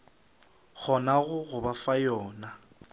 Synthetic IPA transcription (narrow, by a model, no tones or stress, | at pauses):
k͡xʰɔnaɣʊɣʊbafajɔːna